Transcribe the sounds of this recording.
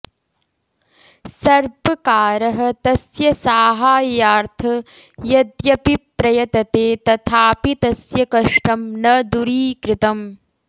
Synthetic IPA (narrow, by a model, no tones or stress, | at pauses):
sɐɾbɐkaːɾɐɦɐt̪ɐsjɐsaːɦaːjaːɾt̪ʰɐ | jɐd̪jɐpipɾɐjɐt̪ɐt̪eːt̪ɐt̪ʰaːpit̪ɐsjɐkɐʂʈɐmnɐd̪uɾiːkɾɪt̪ɐm